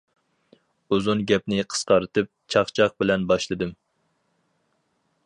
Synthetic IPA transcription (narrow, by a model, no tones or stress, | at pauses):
uzunɡʲɛpnɪqʰə̥sqʰɑɾɨt̪ʰɨp̚t͡ʃʰɑχt͡ʃʰɑχ̚bɪlɛnbɑʃlˠɨd̪ɨm